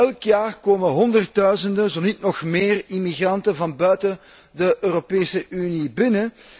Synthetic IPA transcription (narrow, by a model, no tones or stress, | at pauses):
ɛlˠkjaːrkoːmənɦɔndərt̚dœɥzəndənzonit̚nɔxmeːrimiɣrɑntənvɑnbœɥtə | dəʔøːɾopeːsəʔynibɪnə